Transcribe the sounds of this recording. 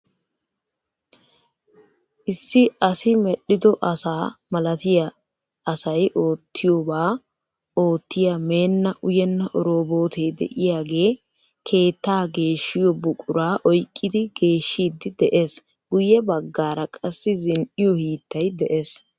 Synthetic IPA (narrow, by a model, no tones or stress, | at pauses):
ʔɪsːɪɐsɪmɛɗːɪd̪ɔʔɐsaːmɐlɐt̪ɪjɐ | ɐsɐjʔo̞ːt̪ʰːɪjoːbaː | o̞ːt̪ːɪjame̞ːnːɐʔʊjɛnːɐʔɔɾoːbo̞ːt̪ʰeːd̪ɛ̰ʔɪjaːɡe̞ː | kʰe̞ːt̪ːaːɡe̞ːʃːɪjɔbʊkʼʊɾaːʔɔjkʼːɪd̪ɪɡ̥e̞ːʃːiːd̪ːɪd̪ɛʔes | ɡ̥ʊjɛbɐɡːaːɾɐkʼɐsːɪzɪnʔɪjɔhiːt̪ːɐjd̪ɛʔes